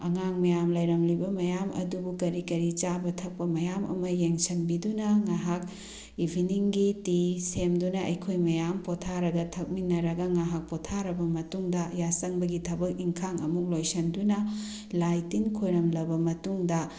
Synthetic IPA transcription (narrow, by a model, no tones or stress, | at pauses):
ɐŋaŋmɐjamlɐjɾɐmlibɐmɐjamɐ̰dubukɐɾikɐɾit͡ʃabɐtʰɐk̚pɐmɐjamɐ̰mɐjeŋsɐnbidunɐŋaɦak̚ | ibʱiniŋɡitisemdunɐɐjkʰojmɐjampotʰaɾɐɡɐtʰɐk̚minːɐɾɐɡɐŋaɦak̚potʰaɾɐbɐmɐtuŋdɐjasɐŋbɐɡitʰɐbɐk̚iŋkʰaŋɐ̰muk̚lojsɐndunɐ | lajtinkʰojɾɐmlɐbɐmɐtuŋdɐ